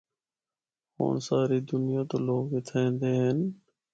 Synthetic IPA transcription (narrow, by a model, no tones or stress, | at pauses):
ho̰ːnsaːɾiːd̪ʊnɪjãːt̪oːloːɡɪt̪ʰəẽːnd̪eːɦen